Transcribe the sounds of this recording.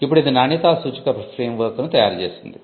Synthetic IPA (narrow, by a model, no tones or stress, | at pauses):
ipːuɽid̪inaːɳit̪aːsuːt͡ʃikɐpɾɐsɾiːjɐmʋɐːk̪ɐnut̪ɐja̰ːɾt͡ʃḛːsind̪i